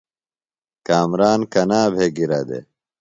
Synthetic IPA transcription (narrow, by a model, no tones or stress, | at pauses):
kaːmɾaːnkɐnaːbʱeːɡiɾɐd̪ḛ